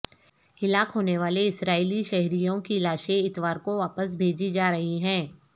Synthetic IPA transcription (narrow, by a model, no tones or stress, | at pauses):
ɪlaːkɦoːneʋaːleɪsɾaːiliʃɛɦɾijõkilaːʃẽɪt̪ʋaːɾkoʋaːpəs̬bʱeːd͡ʒid͡ʒaːɾɐɦiɦɛ̃ː